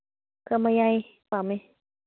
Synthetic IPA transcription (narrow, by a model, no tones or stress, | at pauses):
kamajaj | pama